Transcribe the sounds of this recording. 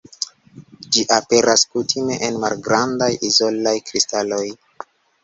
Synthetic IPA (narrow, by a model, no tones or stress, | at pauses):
d͡ʒiʔape̞ɾʔaskutʰime̞ʔenmalɡɾandajʔizo̞lajkɾistalo̞j